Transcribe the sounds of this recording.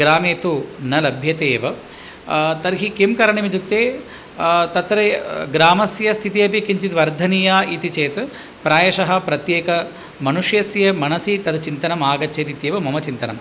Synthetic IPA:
ɡɾaːmeːt̪unɐlɐbʱjɐt̪eːʋɐ | t̪ɐɾɦikimkɐɾɐɳimid͡ʒ̪ut̪ːeː | t̪ɐt̪ːɾeɡɾaːmɐsjɐst̪ʰit̪ijɐpikiɲt͡ʃit̪ʋɐɾd̪ʱɐnijaːit̪it͡ʃeːt̪ | pɾaːjɐʃɐɦɐ̆pɾɐt̪jeːkɐ | mɐnuʂjɐsjɐmɐnɐsit̪ɐd̪t͡ʃint̪ɐnɐmaːɡɐt͡ʃːʃeːt̪it̪jeːʋɐmɐmɐt͡ʃint̪ɐnɐ̰m

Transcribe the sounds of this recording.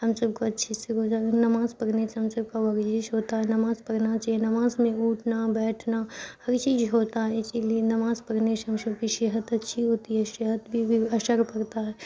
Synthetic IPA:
ɦɐmsɐbkoɐtːʃʰiseɡʊd͡ʒaːɾnɐmaːzpɐɾnet͡ʃɦɐmsɐbkaɐɾt͡ʃiːzɦoːt̪aɦɛnɐmaːzpɐɾnat͡ʃaɦienɐmaːzmẽuːʈʰnabɛːʈʰnahɐɾt͡ʃiːzɦoːt̪aɦɛɪsilienɐmaːzpɐɾneʃɦɐmsɐb̚kiʃeːɦət̪ɐtːʃʰiɦoːt̪iɦɛʃeɦət̪bʱibʱiɐʃəɾpɐɾt̪aɦɛː

